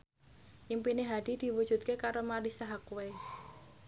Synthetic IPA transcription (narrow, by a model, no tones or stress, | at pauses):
ʔimpineɦad̪̥i̤d̪̥i̤wud̥ʒ̥ṳt̪̚kekaɾomaɾisaɦakuwe